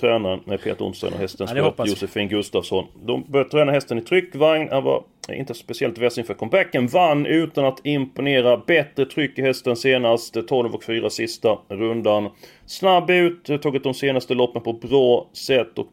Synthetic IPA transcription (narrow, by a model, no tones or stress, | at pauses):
t̪ʰɾɛːnaɾəɛpʰḛːt̪əɾʊ̰nst̪ɔ̰nɔ̰hɛst̪ənsɔpːjʊsəfɪnɡɵst̪avsɔnd̪ɔmbœɾt̪ʰɾɛːnahɛst̪ənɪt̪ʰɾʏkːvaŋnhanva̰ | ɪ̰nt̪əspɛsɪɛlt̪vɛsɪnfœɾat̪̚kʰɔmbækːənvanːʉ̟ːt̪anat̪ɪmpʊneːɾabɛt̪ɾət̪ʰɾʏkːɪhɛst̪ənseːnast̪t̪ʰːɔlvɔkfyːɾasɪst̪aɾɵnd̪an | snabːʉ̟ːt̪t̪ʰːɔːɡət̪̚d̪ɔmseːnast̪əlɔpːənpʰɔbɾɑːsɛt̪ːɔ̰k